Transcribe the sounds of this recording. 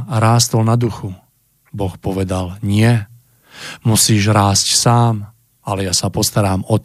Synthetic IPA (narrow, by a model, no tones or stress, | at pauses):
ɾaːst̪l̩nad̪uxu | bɔxpɔʋɛd̪alɲɪɛ | musiːʒɾaːscsaːm | alɛjasapɔst̪aɾaːmɔt̪